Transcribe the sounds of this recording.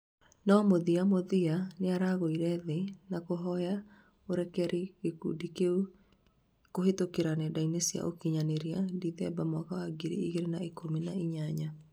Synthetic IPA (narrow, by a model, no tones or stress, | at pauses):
nɔmoðiamoðianeaɾaɣoiɾɛðenakoɦɔja | oɾɛkɛɾiɣekṵdikeu | kohetokeɾanɛdainesia̰ʔo̰kiɲaneɾiadiðɛbamɔkawaɡiɾḭḭɣeɾenaekominaiɲaɲa